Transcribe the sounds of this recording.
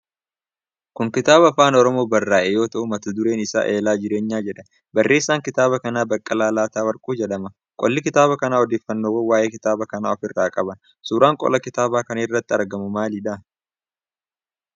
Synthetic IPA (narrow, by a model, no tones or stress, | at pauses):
kʊŋkɪt̪aːbɐɐfaːnɔɾɔmo̞ːbɐrːaːʔɛjo̞ːt̪ɐʔʊmɐt̪ɐd̪ʊɾe̞ːnɪsa̰ːʔe̞ːlaːd͡ʒɪɾe̞ːɲːaːd͡ʒɛᶑɐ | bɐrːeːsːaːŋkɪt̪aːβɐkɐnaːbɐkʼːɐlaːlaːt̪aːwɐɾkʼuːd͡ʒɛᶑɐmɐ | kʼɔlːɪkɪt̪aːbɐkɐnaːɔd̪eːfːɐnːoːwɐwaːʔe̞ːkɪt̪aːbɐkɐna̰ːɔfɪrːaːkʼɐbɐ | suːɾaːŋkʼɔ̰lɐkɪt̪aːbaːkɐnɪrːɐt̪ːɪɐɾɡɐmʊmaːlɪᶑa